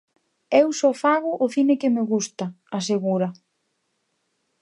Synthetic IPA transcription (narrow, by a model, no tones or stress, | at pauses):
ewsɔfaɣʊʔʊθinɪkɪmeɣust̪ɐ | aseɣuɾɐ